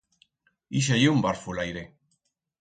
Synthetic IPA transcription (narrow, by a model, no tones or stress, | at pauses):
iʃ̬ajumbaɾfulajɾe